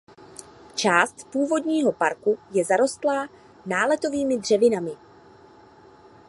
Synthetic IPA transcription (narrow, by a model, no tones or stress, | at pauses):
t͡ʃaːst̪puːvo̞dɲiːɦo̞paɾkujɛzaɾo̞st̪laː | naːlɛt̪o̞viːmɪdr̝ɛvɪnamɪ